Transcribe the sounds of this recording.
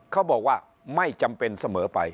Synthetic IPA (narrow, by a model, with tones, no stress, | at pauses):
kʰɔ˧˩ɓɔ˨˩kwaː˧˩ | ma˧˩jt͡ɕa˧mpe˧nsə˧˩məː˨˦pa̰˧˩j